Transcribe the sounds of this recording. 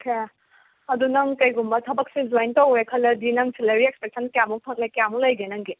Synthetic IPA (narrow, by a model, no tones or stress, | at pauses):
kʰe | ɐdunɐŋkɐjɡumbɐtʰɐbɐk̚sizojntɐwekʰɐlɐdinɐŋsʰileɾiek̚spek̚sɐnkjamupʰɐk̚lekjamulɐjɡenɐŋɡi